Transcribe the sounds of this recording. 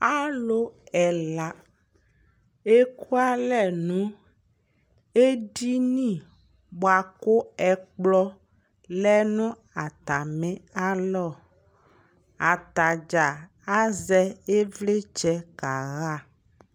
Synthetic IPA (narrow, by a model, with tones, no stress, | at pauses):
a˦lo˦ɛ˨la˨ | e˦ku˦a˦lɛ˨nũ˨˦ | e˦ɖi˦nĩ˦˨ | ɡ͡bo˨a˨ko˦ɛ˨k͡plɔ˦ | lɛ˦nũ˦ | a˨t̪a˨mẽ˦a˦lɔ˦˨ | a˨t̪a˨d͡ʒa˨ | a˦zɛ˦e˦vle˦t͡ʃɛ˦ka˨ɣa˦˨